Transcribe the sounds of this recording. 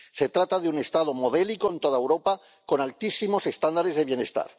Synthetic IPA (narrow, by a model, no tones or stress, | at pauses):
se̞t̪ɾat̪aðeune̞st̪að̞omoð̞elikoent̪oðaewɾo̞pa | ko̞nalt̪isimose̞st̪and̪aɾe̞zðeβje̞ne̞st̪a̰ɾ